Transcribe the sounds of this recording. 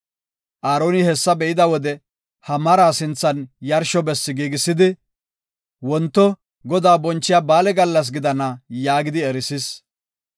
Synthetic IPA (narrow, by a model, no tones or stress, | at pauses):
ʔaːɾoːnɪhɛsːɐbɛʔɪd̪ɐwɔd̪ɛ | hɐmɐɾaːsɪnt͡sːɐnjɐɾʃɔbɛsːɪɡiːɡɪsːɪd̪ɪ | wɔnt̪ːɔ | ɡɔd̪aːbɔnt͡ʃːɪjabaːlɛɡɐlːɐs̬ɡɪd̪ɐnɐjaːɡɪd̪ɪɛɾɪsɪs